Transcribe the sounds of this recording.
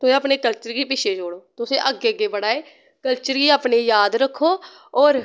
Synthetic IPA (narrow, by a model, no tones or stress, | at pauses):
t̪ʊsẽːəpneːkəlt͡ʃəɾɡiːpɪt͡ʃʰeːd͡ʒoːɽoːt̪ʊsḛ̃ːʔəɡːeːəɡeːbəɽaːeː | kəlt͡ʃəɾɡiːaːpneːjaːd̪ɾəkʰːoː | ɔːɾ